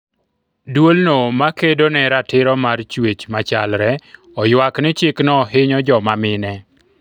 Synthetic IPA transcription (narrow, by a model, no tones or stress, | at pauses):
dwolnomakedonɛɾatɪɾɔmart͡ʃwet͡ʃmat͡ʃalɾɛ | ɔjwaknɪt͡ʃɪknɔɦɪɲɔd͡ʒɔmamɪnɛ